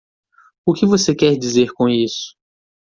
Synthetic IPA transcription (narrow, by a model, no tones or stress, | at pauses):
ʊkɪvosekɛɾd͡ʒizeɾkõisʊ̥